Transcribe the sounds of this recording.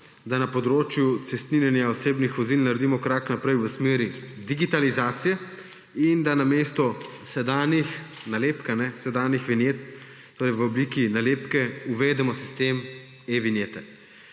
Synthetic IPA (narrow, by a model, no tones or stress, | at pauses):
d̪anapɔd̪ɾoːt͡ʃjut̪sɛst̪ninjɛnjaoseːbnixʋɔzilnaɾɛd̪imɔkɾaknapɾɛjʋəsmeːɾid̪iɡit̪alizaːt̪sijɛ | ind̪anameːst̪ɔ | sɛd̪aːnjix | naleːpkanɛsɛd̪aːnjixʋinjeːt̪ː | oːɾɛjʋəɔbliːkinaleːpkɛuʋeːd̪ɛmɔsi̥st̪eːm | eʋinjet̪ɛ